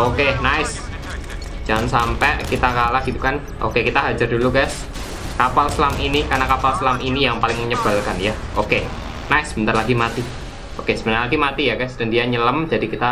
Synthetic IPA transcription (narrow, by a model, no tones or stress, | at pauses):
okenaɪs | d͡ʒ̥aŋansampɛʔkit̪akalahɡ̥it̪ukan | ʔo̰kekit̪aɦad͡ʒardulukas | kapalslaminikarnakapalslaminijaŋpalɪŋməɲəb̥a̤lkanjaʔoke | naɪsːəbənarlaɡimat̪i | okesəbənarlaɡimat̪ijakasdandiaɲələmd̥a̤dikit̪a